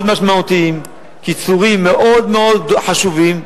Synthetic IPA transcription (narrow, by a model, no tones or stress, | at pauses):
d̪maʃmaut̪iim | kit͡suʁimːeʔo̞d̪meo̞d̪ħaʃuvim